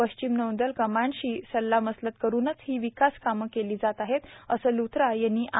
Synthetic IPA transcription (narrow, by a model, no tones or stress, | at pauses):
əɕt͡ɕimnəʋənd̪əlkəmaɳɕiːsəlːaməslət̪̚kəɾuːnət͡shiːʋikaskaməkeliːd͡zat̪aɦet̪əsəlut̪ʰɾajenːiːʔa